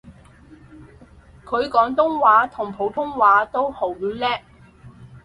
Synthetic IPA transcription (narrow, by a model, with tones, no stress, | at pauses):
kʰɵ˨˧ɥkɔː˨˥ŋt̪ʊ˥ŋwaː˨˥t̪ʰʊ˨˩ŋpʰo˨˥wt̪ʰʊ˥ŋwaː˨˧˥t̪o˥who˨˥wjyː˨˥lɛː˥